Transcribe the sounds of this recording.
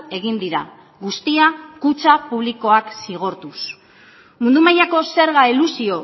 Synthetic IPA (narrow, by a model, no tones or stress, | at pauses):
e̞ɣind̪iɾa | ɣust̪iakut͡sapuβ̞liko̞aksiɣ̞o̞ɾt̪us | mund̪umajako̞se̞ɾɣailusio̞